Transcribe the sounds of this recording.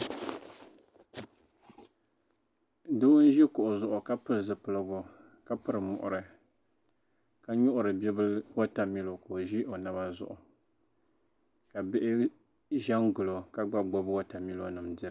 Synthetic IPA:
do˦n˦ʒi˦kʊ˨ʔʊ˨zʊ˦ʔʊ˨ka˦pɨ˦ɾɨ˨zɨ˨pɨ˨lɨ˦ɡo˦ | ka˦pɨ˦ɾɨ˨mʊ˨ʔʊ̰˨ɾɨ˨ | ka˨ɲʊ˦ʔʊ˨ɾɨ˨bɛ˦bɨ˦lwo˦ta˨mi˦lo˨ko˨ʒi˦ʔo˨na˦ba˦zʊ̰˦˨ʔʊ˨ | ka˨bɪ˦ʔɪ˦ | ʒɛ˦nɡʊ˨lo˨ka˦ɡ͡ba˦ɡ͡bo˦bwa˦ta˨mi˦lo˦nɨ˨mdɨ˦

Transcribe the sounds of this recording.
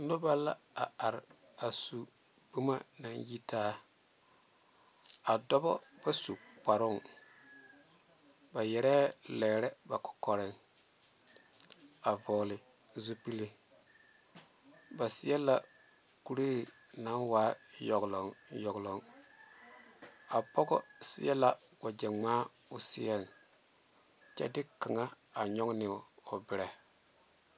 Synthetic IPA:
no˦ba˦la̰˦a˨a˨ɾ | a˨su˨ | b̥u˦ma˦na˨nji˦taː˦ | a˨dɔ˦bɔ̰˦b̥a˦su˨k͡pa˨ɾʊ˦˨ŋ | ba˨jɛ˨ɾɛː˦lɛː˨ɾɛ˦ba˨kɔ̥˨kɔ˨ɾɪ˦ŋ | a˨vɔː˨lɪ˨ | zu˦pi˦li˦ | ba˨sɪ˦ɛ˦la˨ | ku˦ɾeː˦˨ | na˨˦nwaː˨˦jɔ˨ɡlɔ˨ŋjɔ˨ɡlɔ˨ŋ | a˨pɔ˦ɡɔ̰˦sḭ˦ɛ˦la˨ | wa˨d͡ʒɛ˨ŋ͡maː˦ | ʊ˨si˦ɛ˦˨n | t͡ʃɛ̰˦dɪ˦ka˨ŋa˦ | a˨ɲɔ˦ŋnɪ˨o˨bɪ˨ɾɛ˨

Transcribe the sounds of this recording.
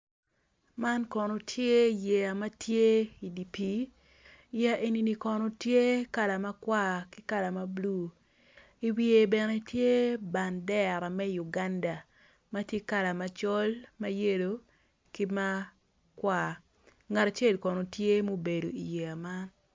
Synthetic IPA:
ma˦nkɔ˨no˨tʰje˦i˨je˨a˨ma˦tje˦i˨di˨pi˦ | ja˦ʔe˨ni˨ni˨kɔ˨no˨tje˦ka˦la˨ma˦kwa˦˨ki˦ka˦la˨ma˦blu˦˨ | i˨wie˨bɛ˨nɛ˦tje˦ba˨ndɛ˦ɾa˨mɛ˦ju˨ɡa˦nda˨ | ma˦tje˦ka˦la˨ma˨t͡ʃɔ˦lma˦je˦do˨ | ki˦ma˦ | kwa˦˨ | ŋa˨ta˨t͡ʃe˦˨lkɔ˨no˨tje˦mo˦be˨do̰˨i˨je˨a˨ma˦n

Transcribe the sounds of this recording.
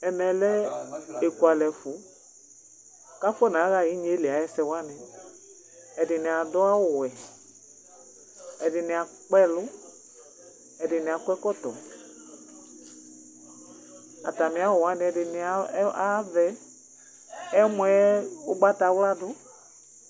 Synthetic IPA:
ɛ˨nɛ̃˨lɛ˦e˨ku˨a˨lɛ˨fʊ˨˦ | ka˦fʊ˦ɛ˦˨nã˨˦ɣa˦˨ji˦ɲe˦lɪ˨a˨˦jɛ˦sɛ˧wa˦nɪ˨ | ɛ˨dɪ˨nɪ˨a˨dɔ˦a˦wʊ˨wɛ˨ | ɛ˨dɪ˨nɪ˨a˨k͡pɛ˦lʊ˦ | ɛ˨dɪ˨nɪ̃˨a˨kwɛ˦kɔ˦tɔ̰˨ | a˨ta˨mɪ̃˨˦a˨˦wʊ˨wa˦nɪ˦ɛ˨dɪ˨nɪ˨˦a˦vɛ˦ | ɛ˦mũ˧˦ʊ˦ɡ͡ba˦ta˨˦wla˦dʊ˦

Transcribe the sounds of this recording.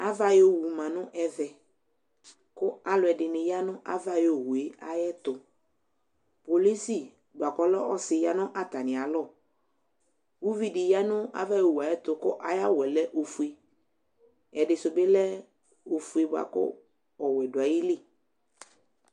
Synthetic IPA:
a˦va˨jo˦˨wu˨mã˨nʊ̃˦ʔɛ˦vɛ˨ | kʊ˦a˦lʊ˨˦ɛ˨dɪ˨nɪ˨ja˦nʊ̃˦ʔa̰˦va˦jo˨wu˨e˨˦a˨jɛ˦t̪ʊ˨ | po˨li˦si˨ | ɡ͡ba˨kɔ˦lɔ˦ɔ˦sɪ˨ja˦nʊ̃˦ʔa˨t̪a˨nɪ̃˨a˨lɔ˦˨ | wu˦vi˦dɪ˨ja˦nʊ̃˦a̰˨va˦jo˨wu˨a˨jɛ˦t̪ʊ˨kʊ˦ʔa˨ja˦wɛ˨lɛ˦ʔo˨fu˨e˨ | ɛ˨dɪ˨sʊ˨bɪ˦lɛ˦ | o˨fu˦e˨bʊ˨a̰˨kʊ̰˦ | ɔ˨wɛ˨dʊ˨a˨jɪ˦lɪ˦˨

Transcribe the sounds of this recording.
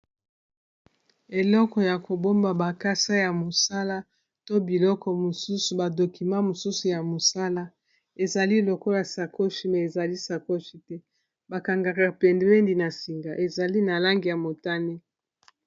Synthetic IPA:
e˨lɔ˦kɔ˨ja˨ko˨bo˦mba˨ba˨ka˦sa˦ja˨mo˨sa˦la˦ | to˦bi˨lɔ˦kɔ˨mo˨su˦su˨ba˨do˨ki˨mã˦mo˨su˦su˨ja˨mo˨sa˦la˦ | e˨za˨li˦˨lɔ˨kɔ˦ja˨sa˨ko˦ʃi˨mɛ˨e˨za˨li˦sa˨ko˦ʃi˨tɛ˦ | ba˨ka˨ŋɡa˨ka˨pe˨nde˨be˦ndi˨na˨si˨ŋɡa˨ʔe˨za˨li˦na˨la˦ŋɡi˨ja˨mo˨ta˦ne˦

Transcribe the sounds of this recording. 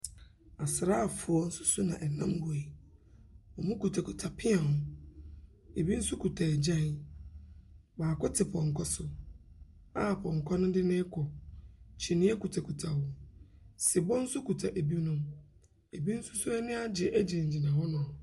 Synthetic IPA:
a˨sɪ˨ɾa˦a˨fʊ˨ɔ˨˦n̩˦sʊ˦sʊ˦nã̰˨ʔɛ˨nã˦mbʊ˨e˨ | ɔ˨mũ˦ku˨tʰa˨kʰu˨tʰa˨pʰɪ˦ã˨hʊ̃˨ | e˨bi˦n̩˦sʊ˦kʰu˨tʰa˨ɛ˨d͡ʑã˦˨n | baː˨kʰɔ˦tʰɪ˨pʰɔ̃˨ŋ˨kʰɔ˦sʊ˦ | a˦˨pʰɔ̃˨ŋ˨kʰɔ˦nʊ̃˦dɪ˦nɪ̃˦kʰɔ˨t͡ɕʰi˨nɪ̃˦ɛ˦ku˨tʰa˨kʰu˨tʰa˨wɔ˨ | sɪ˨bɔ˦n̩˦sʊ˦kʰu˨tʰa˨ʔe˨bi˦nʊ̃˦m | e˨bi˦n̩˦sʊ˦sʊ˦ɛ˦nɪ̃˦a˦d͡ʑɪ˨ʔæ˦d͡ʑɪ˨ɲ̩˨d͡ʑi˨nã˨hɔ˦nʊ̃˨ɔ˨

